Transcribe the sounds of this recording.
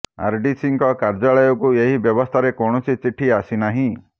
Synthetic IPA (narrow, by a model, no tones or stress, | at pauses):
a̰ɾɖisiŋkɔkaɾd͡ʒaɭɔjɔkueɦibjɔbɔst̪ʰaɾekɔɽ̃ɔsit͡ʃiʈʰiasinaɦĩ